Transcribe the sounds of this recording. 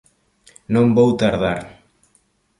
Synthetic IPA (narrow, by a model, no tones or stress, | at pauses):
nõmbowt̪aɾðaɾ